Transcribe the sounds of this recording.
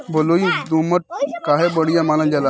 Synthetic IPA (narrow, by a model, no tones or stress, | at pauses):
boloid̪uməʈ̚kaɦebəɽijamalãnd͡ʑala